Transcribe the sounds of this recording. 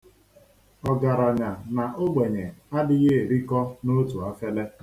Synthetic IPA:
ɔ˨ɡa˨ɾa˨ɲa˨na˨ʔo˦ɡ͡be˨ɲe˨a˦dɪ˦ɣe˦e˨ɾi˦kɔ˦no˦tu˨a˦fe˦le˦

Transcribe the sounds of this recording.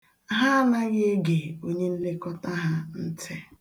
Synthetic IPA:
a˦ɦa˦na˦ɣe˦e˦ɡe˨o˦ɲe˦n̩˦le˦kɔ˦ta˦ɦa˦n̩˦tʰe˦

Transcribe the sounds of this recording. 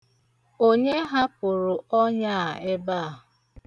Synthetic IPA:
o˦ɲe˦ɦa˦pʊ˨ɾʊ˨ɔ˦ɲa˦˨e˦ba˦˨

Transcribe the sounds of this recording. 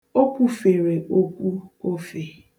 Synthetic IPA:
o˦ku˨fe˨ɾe˨o˦kʷu˦o˦fe˨

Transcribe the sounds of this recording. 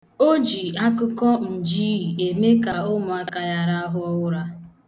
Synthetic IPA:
o˦d͡ʒi˨a˦kʊ˦kɔ˦n̩˨d͡ʒi˦˨e˨me˦ka˨ʊ˦mʊ˨a˦ka˨ja˨ɾa˦a˦ɦʊ˦ɔ˦ʊ˦ɾa˦

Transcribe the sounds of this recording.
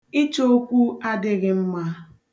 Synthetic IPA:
ɪ˦t͡ʃo˦o˦kʷu˦a˦dɪ˦ɣɪ˦m̩˦ma˦

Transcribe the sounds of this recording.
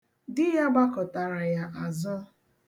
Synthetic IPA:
dɪ˦ja˦ɡ͡ba˦kɔ˨ta˨ɾa˨ja˦ʔa˨zʊ˦

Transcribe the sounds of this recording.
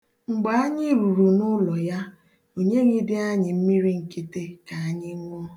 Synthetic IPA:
ŋ͡m̩˨ɡ͡ba˨˦a˦ɲɪ˦ɾu˨ɾu˨nʊ˦lɔ˨ja˦ | o˨ɲe˦ɣi˦dɪ˦a˦ɲɪ˨m̩˦mi˦ɾi˦ŋ̩˨ki˦te˦ka˨a˦ɲɪ˦ŋʷɔ˦

